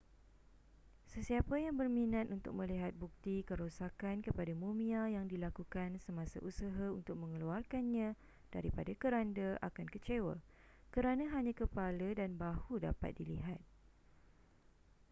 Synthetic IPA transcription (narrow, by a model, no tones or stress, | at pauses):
səsiapajaŋbərmĩnãt̪unt̪ʊk̚mə̃liɦat̪̚buk̚t̪ikəɾosakankəpadamumĩajaŋdilakukansəmãsa̰ʔusaɦaunt̪ʊk̚mə̃ŋəluarkanɲã | d̥a̰ɾipadakəɾandəʔa̰kankət͡ʃewa̰ | kəɾanãɦaɲãkəpalədanbahuda̰pa̰t̪̚diliɦat̪̚